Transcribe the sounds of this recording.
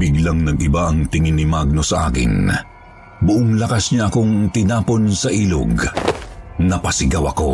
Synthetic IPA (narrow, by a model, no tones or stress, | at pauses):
biɡlaŋnɐɡʔɪbaʔɐŋt̪ɪŋinːɪmaɡ̚no̞sɐʔa̰ːkɪ̰n | bʊʔoŋlɐkasɲaʔɐko̞ŋt̪ɪnaːpo̞nsɐʔiːlo̰ɡ | nɐpɐsɪɡawɐko̞̰